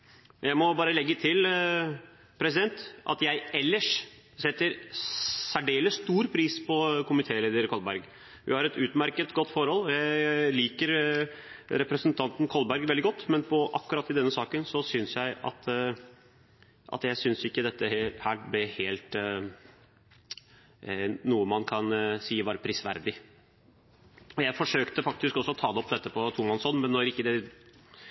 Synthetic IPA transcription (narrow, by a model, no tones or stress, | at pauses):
jæɪmɔbɑːɾəlɛɡːət̪ʰɪl | pʰɾɛsɪd̪ɛnt̪ʔɑ̰t̪jæɪɛlːəʂ | sɛt̪ːəɾ | sæɖeːləst̪uːɾpʰɾiːspʰɔkʰʊmɪt̪ʰeːleːd̪əɾkʰɔlbæɾɡ | hʉ̰hɑɾɛt̪ʉːt̪mæɾkət̪ɡɔt̪ːfɔɾhɔlːjæɪliːkəɾ | ɾɛpɾəsənt̪ʰɑnt̪nkʰɔlbæɾɡʋɛld̪ɪɡɔt̪ːmɛnpʰɔʔɑkːʉɾɑt̪ːɪd̪ɛnːəsɑːkənsɔsʏnsjæɪʔɑ̰t̪ | ʔɑ̰t̪jæɪsʏnsɪkːəd̪ɛt̪ːəhæːblɛheːlt̪ | nuːəmɑnkʰɑnsiːʋɑːɾpʰɾɪsʋæ̰ɾd̪ɪ | ɔjæɪfɔʂøːkt̪əfɑkt̪ɪskɔsːɔɔt̪ʰɑːd̪ɛɔpːd̪ɛt̪ːəpʰɔt̪ʰʊmɑnsɔnmɛnːɔɾɪkːəd̪ɛ